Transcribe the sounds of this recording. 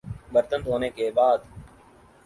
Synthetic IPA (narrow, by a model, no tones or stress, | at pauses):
bəɾt̪ənt̪ɦoːneːkeːbaːd̪